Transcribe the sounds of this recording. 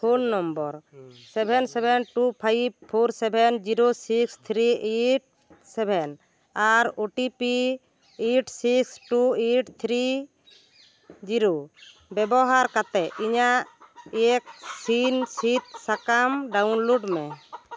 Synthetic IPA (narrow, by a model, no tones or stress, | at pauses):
pʰonːɔmbɔɾsɛbʱɛnsɛbʱɛnʈupʰajb̚pʰoɾsɛbʱɛnd͡ʒiɾosikst̪ʰɾieʈ̚ | sɛbʱɛn | aɾoʈipi | eʈsiksʈueʈt̪ʰɾi | d͡ʒiɾo | bɛbɔɦaɾkat̪ɛiɲaʔʔɛk̚sinsit̪̚sakamɖawnloɖmɛ